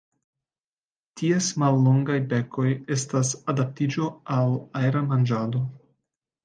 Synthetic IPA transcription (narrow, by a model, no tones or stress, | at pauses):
tʰiesmalːo̞ŋɡajbe̞kʰo̞je̞stasadap̚tid͡ʒo̞alajɾamand͡ʒado̞